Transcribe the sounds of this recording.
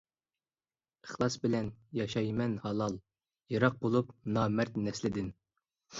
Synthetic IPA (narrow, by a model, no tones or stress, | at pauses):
əχlˠɑsbɪlɛnjɑʃɑjmɛnhɑlˠɑlˠ | jɑɾɑq̚bolˠupnɑːmɛɾt̪nɛslɪd̪ɪn